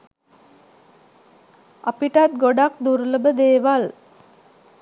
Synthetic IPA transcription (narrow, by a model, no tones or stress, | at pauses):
apiʈat̪̚ɡoɖakd̪uɾləbəd̪eːʋal